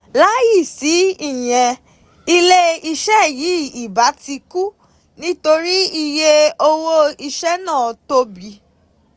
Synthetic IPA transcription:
la˦ji˦˨si˨˦i˦˨j̃ɛ̃˧ | i˧le˦i˧ʃɛ˦ji˨˦i˦˨ba˨˦ti˧ku˦ | nĩ˦to˧ɾi˦i˧je˦o˧wo˦i˧ʃɛ˦nã˦˨to˧bi˨˦

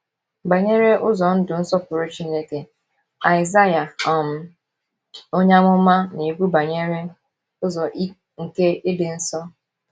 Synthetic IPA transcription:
ba˨ɲe˦ɾe˦ʔʊ˦zɔ˨n̩˦dʊ˨n̩˦sɔ˦pʊ˨ɾʊ˦t͡ʃi˦ne˦ke˨ | a˨ɪ˨za˦ja˨ɔ˨m̩˦ | o˦ɲa˦mʊ˦ma˦ne˨ɡʷu˦ba˨ɲe˦ɾe˦ | ʊ˦zɔ˨ʔi˦ | ŋ̩˨ke˦ɪ˦dɪ˨n̩˦sɔ˦

